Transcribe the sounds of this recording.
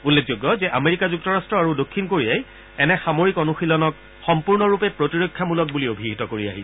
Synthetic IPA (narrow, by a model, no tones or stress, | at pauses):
ulːek̚zoɡːɔzɛʔameɹikazuk̚tɔɹastɹɔaɹudokʰːinkoɹijaj | ɛnɛxamoɹikɔnuxilɔnɔk̚ | xɔmpuɹnɔɹupɛpɹotiɹokʰːjamulɔk̚buliobʱiɦitɔkoɹia̰ɦi